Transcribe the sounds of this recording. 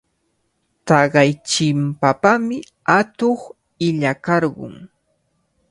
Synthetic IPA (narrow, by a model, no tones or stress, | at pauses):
t̪ɑɢɑjt͡ʃɪmpapamɪ | at̪oχ | ɪʎakɑɾɢʊ̰ŋ